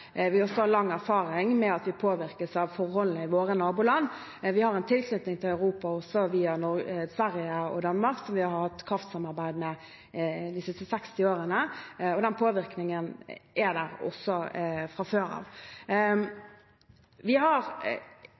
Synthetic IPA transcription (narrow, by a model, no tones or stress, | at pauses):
ʋɪɔsɔhɑlɑŋːæɾfɑːɾɪŋmɛɑt̪ʋɪpʰoːʋɪɾkəsɑʋfɔɾhɔlnəɪʋoːɾənɑːbuːlɑnː | ʋɪhɑɾɛnt̪ʰɪlkʰnʏt̪nɪŋt̪ʰɪlɑʉɾuːpɑɔsɔʋiːɑnɔsʋæɾɪjəɔ̰d̪ɑnːmɑɾksɔmʋɪhɑhɑɾhɑt̪ːkʰɾɑft̪sɑmɑɾbæɪd̪mɛ | d̪ɪsɪst̪əsɛkst̪ɪoːɾənəɔd̪ɛnpʰoːʋɪɾknɪŋənʔæd̪æɾɔ̰sːɔfɾɑføːɾɑ̰ʋ | ʋɪɦɑʁ